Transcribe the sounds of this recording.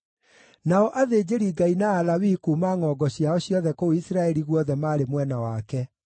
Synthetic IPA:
naɔʔaðeːd͡ʑeɾiɡainaːlawikuːmaːŋɔɡɔɕjaɔɕjɔðɛkooisɾaɛɾiɣwɔðɛmaːɾemwɛnawaːkɛ

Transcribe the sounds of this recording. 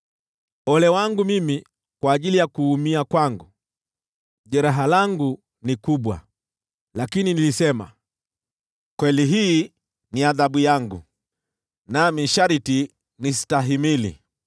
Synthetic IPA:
ɔlɛwaŋɡumimi | kwaːʄilijakuːmiakwaŋɡu | ʄɛɾaɦalaŋɡu | nikuɓwa̰ | lakininilisɛma̰ | kwɛliɦiː | niaðaɓujaŋɡṵ | namiʃaɾiti | nisi̥taɦimilḭ

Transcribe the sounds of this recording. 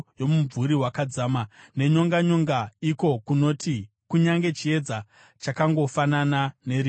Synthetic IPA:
jo̞muɱvuɾiɦwakad͡zaːmane̞ɲo̞ŋɡaɲo̞ŋɡaiko̞kuno̞tʰi | kuɲaŋɡe̞t͡ʃie̞d͡za | t͡ʃakaŋɡo̞fananane̞ɾi

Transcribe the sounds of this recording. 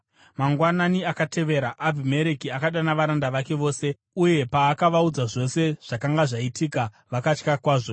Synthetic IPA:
maŋɡwananiakate̞ʋe̞ːɾaʔːbʱime̞ɾekiakaɗanaʋaɾandaʋake̞ʋo̞ːse̞ | uje̞paːkaʋaud͡zaʐo̞se̞ʐ̥akaŋɡaʐaitʰika | ʋakat͡ʃkakwaːʐo̞

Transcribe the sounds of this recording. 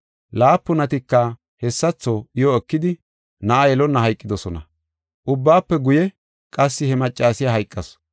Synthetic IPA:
laːpːʊnɐt̪ɪkːɐ | hɛsːɐt͡sːɔɪjɔɛkːɪd̪ɪ | nɐʔajɛlɔnːɐɦɐjkʼːɪd̪ɔsɔnɐ̰ | ʔʊbːaːpːɛɡʊjɛ | kʼɐsːɪhɛmɐt͡ʃʼːaːsɪjaɦɐjkʼːɐs

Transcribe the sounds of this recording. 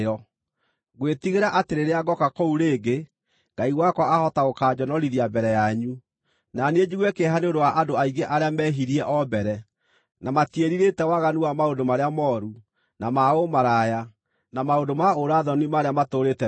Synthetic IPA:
ɔ | ɣwetiɣeɾaʔateɾeɾeaɡɔkakouɾeːɡe | ŋɡaiwakwɔahɔtaokaːd͡ʑɔnɔɾiðiabɛɾɛjaɲu | naned͡ʑiɣwɛkeɦaneoɾowaʔadoaiɡeʔaɾeamɛːɦiɾiɛʔɔbɛɾɛ | namatieɾiɾetɛwaɣanuwamaondomaɾeamɔːɾu | namaomaɾaja | namaondomaoɾaðɔnimaɾeamatoɾetɛ

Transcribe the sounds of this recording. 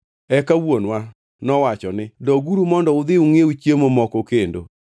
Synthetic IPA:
ɛkawonwa | nɔwat͡ʃɔnɪdɔɡuɾumɔndɔʊd̪ɪuŋeut͡ʃjemomɔkokendo̰

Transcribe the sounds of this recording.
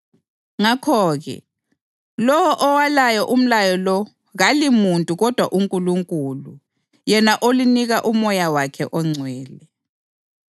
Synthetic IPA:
ŋakʰɔːɣɛ̰ | lɔwɔʔɔwalajɔʔum̩lajɔlɔ | ɣalimuntʼuɣɔd̥ʱwa̰ʔuŋkʼuluŋkʼulu | jɛnaʔoliniɣaʔumɔjawakʰɛʔɔŋ͡ǀʱwɛːlɛ

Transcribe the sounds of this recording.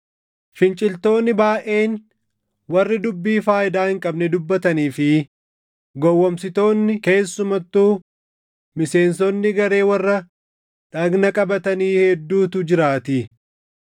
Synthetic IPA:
fɪnt͡ʃʼɪlt̪o̞ːnːɪbaːʔe̞ːn | wɐrːɪd̪ʊbːiːfaːjɪd̪aːhɪŋkʼɐbnɛd̪ʊbːɐt̪ɐniːfɪ | ɡɔwːɐmsɪt̪o̞ːnːɪke̞ːsːʊmɐt̪ːuː | mɪse̞ːnsɔnːɪɡɐɾe̞ːwɐrːɐ | ᶑɐɡnɐkʼɐbɐt̪ɐniːhɛd̪ːuːt̪ʊd͡ʒɪɾaːt̪i

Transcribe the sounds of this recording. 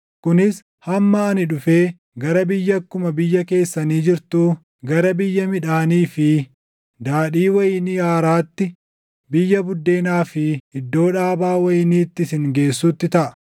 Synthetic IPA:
kʊnɪs | hɐmːɐːnɪᶑʊfe̞ː | ɡɐɾɐbɪjːɐkːʊmɐbɪjːɐke̞ːsːɐniːd͡ʒɪɾt̪uː | ɡɐɾɐbɪjːɐmɪᶑaːniːfɪ | d̪aːᶑiːwɐjɪniaːɾaːt̪ːɪ | bɪjːɐbʊd̪ːe̞ːnaːfɪɪd̪ːo̞ːᶑaːbaːwɐjɪniːt̪ːɪsɪŋɡe̞ːsːʊt̪ːɪt̪ɐʔɐ̥

